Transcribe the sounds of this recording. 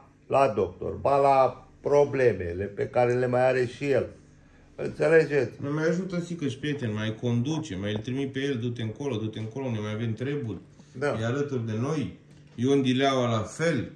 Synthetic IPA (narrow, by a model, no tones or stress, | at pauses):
lad̪o̞k̚t̪o̞̰rbala | pɾo̞ble̞mḛle̞pekaɾenilemajaɾe̞ʃijel | ɨ̰nt̪se̞le̞d͡ʒe̞t̪sʲnemajaʒut̪əsikəʃʲpɾiet̪enʲmajko̞nd̪ut͡ʃemajlʲt̪ɾimit̪̚pe̞jeld̪ut̪e̞ɨŋko̞lod̪ut̪eɨŋko̞lounemajave̞mt̪ɾe̞burʲ | d̪aealət̪urʲd̪e̞no̞j | joɨnd̪ileawalafel